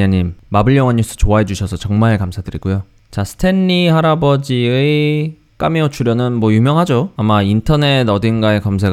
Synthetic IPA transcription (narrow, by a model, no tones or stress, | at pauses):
aɲimːabɯɭjʌŋwʌɲːus͈ɯ̥t͡ɕoaɦe̞d͡ʑuɕʰʌsʰʌt͡ɕʌŋmaɭkamsʰadɯɾiɡujo | t͡ɕasʰɯ̥tʰe̞nːihaɾabʌd͡ʑie | k͈a̰meot͡ɕʰuɾjʌnɯnmwʌjumjʌŋɦad͡ʑoamaintʰʌne̞dʌdɯnɡae̞kams̬ʰeɡ